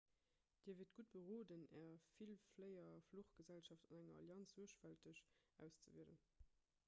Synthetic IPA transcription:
d̥iːɐviːt̚ɡ̥ut̚b̥əʁoːdənɛːɐfilfləɪɐfluχɡ̥əzælʃɑftɑnæŋɐɑ̰ljɑnt͡szuəɐʃfæltəɕʔæ̰ʊst͡səviələn

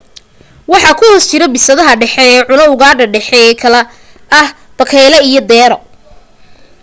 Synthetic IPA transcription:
wɑħɑkʰʊhɔːst͡ʃɪɾɐbɪsɐðɐɦɐɖɛħɛɛːʕʊnɐʊɣaːɖɐɖɛħɛɛːkʰɐlɛ | ɐh | b̥ɐkʰɛːlɐijɔd̪ɛːɾɔ

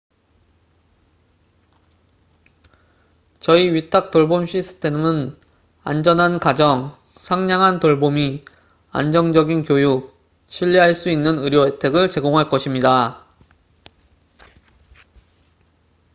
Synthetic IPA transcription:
t͡ɕʌiɥitʰak̚t͈oɭbomɕʰisʰɯ̥tʰe̞mɯn | a̰nd͡ʑʌnɦankad͡ʑʌŋ | sʰaŋɲaŋɦantoɭbomi | a̰nd͡ʑʌŋd͡ʑʌɡinkjojuk̚ | ɕʰiʎːiɦaɭs͈uinːɯnɯɾjʌetʰe̞ɡɯɭt͡ɕe̞ɡoŋɦaɭk͈ʌɕʰimɲida

